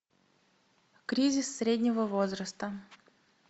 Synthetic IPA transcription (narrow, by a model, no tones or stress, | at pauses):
kɾʲizʲɪsːɾʲedʲnʲɪvəvozɾəst̪ə